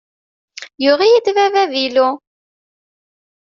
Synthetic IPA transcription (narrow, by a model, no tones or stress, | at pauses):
jʊʁijid̪vævæðilu